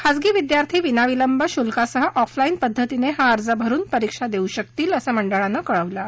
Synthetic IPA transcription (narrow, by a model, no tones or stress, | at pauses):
kʰad͡zɡiːʋid̪jaɾt̪ʰiːʋinaʋiləmbəɕulkasəɦəʔɔflaiːnpəd̪ʱːət̪ineɦaəɾd͡zəbʱəɾuːnpəɾikʂad̪euɕək̚t̪iːləsaməɳɖəɭãnːakəɭəʋla